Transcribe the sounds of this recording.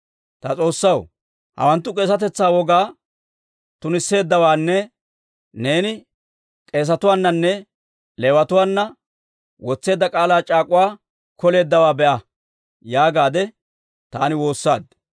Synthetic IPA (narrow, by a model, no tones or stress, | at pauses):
t̪ɐt͡sʼo̞ːsːɐw | hɐ̰wɐnt̪ːʊkʼe̞ːsɐt̪ɛt͡sːaːwɔɡaː | t̪ʊnɪsːe̞ːd̪ːɐwaːnːɛ | ne̞ːnɪ | kʼe̞ːs̬ɐt̪ʊwaːnːɐnːɛ | leːwɐt̪ʊwaːnːɐ | wɔt͡sːe̞ːd̪ːɐkʼaːlaːt͡ʃʼaːkʼʊwaː | kɔle̞ːd̪ːɐwaːbɛʔɐ | jaːɡaːd̪ɛ | t̪aːnɪwo̞ːsːa̰ːd̪